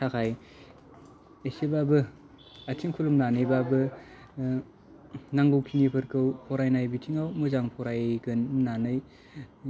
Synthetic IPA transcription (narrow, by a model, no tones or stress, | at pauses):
tʰakʰaj | esebabɯ | atʰiŋkʰulumnanebabɯ | naŋɡɯwkʰiŋipʰɯɾkʰɯwpʰɔɾajnajbitʰiŋawmɯzaŋpʰɔɾajɡɯnmnanɯj